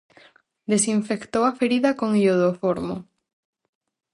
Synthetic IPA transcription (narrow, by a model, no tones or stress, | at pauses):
d̪esiɱfekt̪owafeɾiðakoŋioðofoɾmo